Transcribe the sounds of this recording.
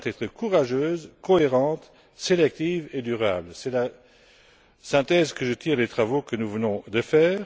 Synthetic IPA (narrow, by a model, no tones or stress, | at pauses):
t̪ɛt̪χəkuʁaʒøːzkɔeʁɑ̃t̪ | selɛk̚t̪iːved̪yʁabləsɛla | sɛ̃t̪ɛːzkəʒət̪ʰiːʁlet̪χavokənuvənɔ̃d̪əfɛːʁ